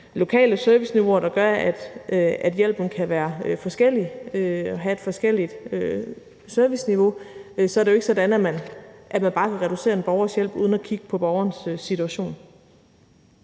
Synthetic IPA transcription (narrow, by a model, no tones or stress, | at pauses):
lo̝kʰɛ̰ːləsøɐʋisniʋo̝ɐɾ̥ɑ̈ɡ̥ɶɐæd̥æd̥jel̰b̥n̩kʰæʋæːɐøfɒ̽sɡ̥el̰iøɒ̽ɦæe̝d̥fɒ̽sɡ̥el̰id̥ø | søɐʋisniʋo̝sɒ̽ɐdejo̝e̝ɡ̥sɒ̽d̥ænæmænʔæmænb̥ɑ̈ːkʰæʁɛɾ̥use̝̰ːɐe̝nb̥ɒʊɐsjel̰b̥uːð̞ˠnækʰiɡ̥ə̥pʰɒ̽b̥ɒʊɐːnsøsːit͡sʰuæɕo̝̰ːn